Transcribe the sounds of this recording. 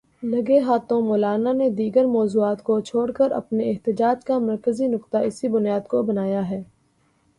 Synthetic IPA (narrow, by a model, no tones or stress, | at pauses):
lɐɡeɦaːt̪õmɔːlaːnaned̪iːɡəɾmɔːzuːaːt̪kot͡ʃʰoːɽkəɾɐ̰pneɪɦt̪ɪd͡ʒaːd͡ʒkamɐɾkəzinʊkt̪aɪsibʊnijaːd̪kobɐnaːjaɦɛː